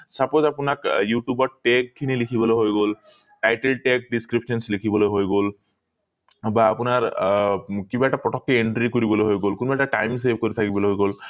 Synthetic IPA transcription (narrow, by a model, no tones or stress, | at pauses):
sapozapʊnakjuʈjubɔʈekʰːinilikʰibɔlojɦojɡol | ʈajʈelʈek̚ɖiskɹipsɔnslikʰibɔlojɦojɡol | baːpʊnaɹ | kibaɛʈapɔtɔkːɛeɳʈɹikoɹibɔlojɦojɡolkunbaɛʈaʈajms̬ebʱkoɹit̪ʰakibɔloɦojɡol